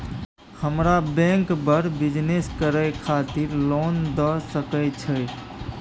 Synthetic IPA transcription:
həmɾabɛ̃ŋkbəɾbid͡ʒneskəɾəjkʰat̪iɾlond̪ɔsəkət͡ʃʰə

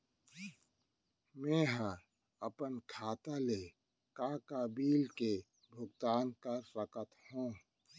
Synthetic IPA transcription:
mɛ̃ːɦə | ɐpənkʰaːt̪ale | kaːkabiːlke | bʱʊɡt̪aːnkəɾɾəkət̪hũː

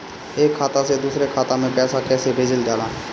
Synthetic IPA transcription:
ekʰːat̪ased̪usɾekʰat̪amẽpɛsakɛsebʱed͡ʒild͡ʒala

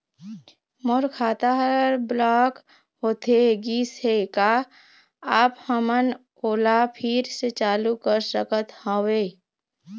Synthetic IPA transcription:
moɾkʰaːt̪aɦɾblaːk | ɦoːt̪ʰeɡiseka | aːphəmən | oːlapʰɪɾset͡ʃaːlukəɾsəkət̪hɔ̃ːweː

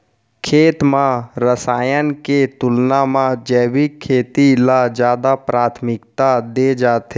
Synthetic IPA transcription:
kʰeːt̪mãɾəsaːjənket̪ʊlnamãd͡ʒɛːbikʰːeːt̪ilad͡ʒjaːd̪apɾaːt̪ʰmɪkt̪ad̪ed͡ʒaːt̪e

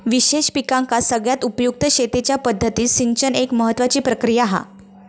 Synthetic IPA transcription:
ʋiɕeɕpikãŋkasəɡɭjat̪upəjuk̚t̪əɕet̪et͡ɕjapəd̪ʱːət̪iːsiŋɡt͡ɕənekməɦət̪ːʋat͡ɕiːpɾəkɾijaɦa̰

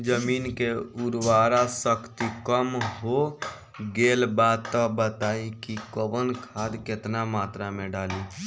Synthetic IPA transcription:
d͡ʒəmiːnkeʊɾwaːɾasəkt̪ikəmɦo | ɡeːlbaːd̪t̪ːabət̪aːikikəʋənkʰaːd̪kɪt̪namaːt̪ɾamẽɖaːli

